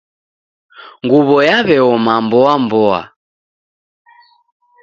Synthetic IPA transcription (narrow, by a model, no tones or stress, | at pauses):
ŋɡuβɔjaβɛɔmambɔambɔa̰